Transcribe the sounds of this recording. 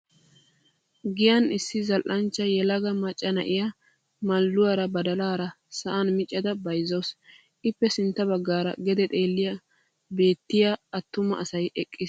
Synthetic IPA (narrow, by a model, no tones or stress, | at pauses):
ɡɪjɐnɪsːɪzɐlʔɐnt͡ʃːɐjɛlɐɡɐmɐt͡ʃʼːɐnɐ̰ʔɪjɐ | mɐlːʊwaɾɐbɐd̪ɐlaːɾɐ | sɐʔanmɪt͡ʃʼːɐd̪ɐbɐjzoːs | ʔɪpːɛsɪnt̪ːɐbɐɡːaːɾɐ̰ɡɛd̪ɛt̪ʼe̞ːlːɪjɐ | be̞ːt̪ːɪjaɐt̪ːʊmɐ̰ʔɐsɐjɛkʼːɪs